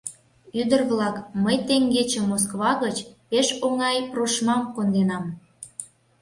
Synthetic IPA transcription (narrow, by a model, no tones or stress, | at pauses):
yd̪ərβlɑkməjt̪eŋɡet͡ɕə̆mos̬kβɑɣət͡ɕ | eʃoŋɑjproʃmɑmkond̪enɑm